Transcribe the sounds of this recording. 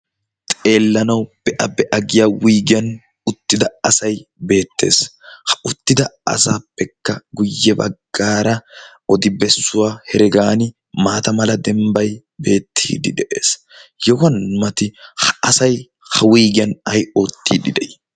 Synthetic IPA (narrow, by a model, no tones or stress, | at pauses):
t̪ʼe̞ːlːɐnɐwb̥ɛʔɐbɛʔɐɡɪjaːwiːɡɪjɐn | ʊt̪ːɪd̪ɐɐsɐjbe̞ːt̪ːe̞̰ːshɐ̥ʔʊt̪ːɪd̪ɐɐ̰saːpːɛkːɐɡʊjːɛbɐ̰ɡ̥ːaːɾɐ | ɔd̪ɪbɛsːʊwaːhɛɾɛɡaːnɪ | maːt̪ɐmɐlɐd̪ɛmbɐj | be̞ːt̪ʰːḭːd̪ɪd̪ɛʔe̞̰ːs | jɛwɐnmɐt̪ɪhɐɐsɐj | hɐwiːɡɪjɐnɐjo̞ːt̪ːiːd̪ɪd̪ɛj